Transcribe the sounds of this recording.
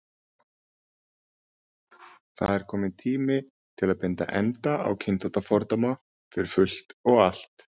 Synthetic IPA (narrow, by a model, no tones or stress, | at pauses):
θa̰ðɛɾ̥kʰɔːmɪnt̪ʰiːmɪ | t̪ʰɪlaðpɪnt̪a̰ʔɛnt̪aa̰wcʰɪnθat̪afɔɾt̪ama | fɪɾɪɾ̥fʏl̥t̪ɔɣal̥t̪